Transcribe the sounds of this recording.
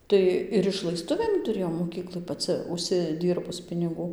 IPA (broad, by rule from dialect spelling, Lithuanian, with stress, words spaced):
ˈtɐɪ ɪr ɪʃlˠɐɪˈstʊʋʲeːm tʊˈrʲeːjɛʊ moːˈkʲiːklˠɐɪ pɐˈt͡sɨ ʊʃʲsʲɪˈdʲiːrbʊs pʲɪnʲɪˈɡuː